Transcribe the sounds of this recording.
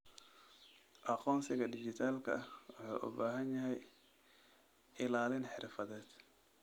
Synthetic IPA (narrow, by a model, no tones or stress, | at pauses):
ʔɑqɔːnsɪɣɐdɪd͡ʒɪt̪ʰaːlkʰɐ̰ɐhwɑħɑ̰ːʔʊ̰baːɦɐnjɐɦɛj | ʔɪlaːlɪnħɪ̰rfɐðɛːd̪̥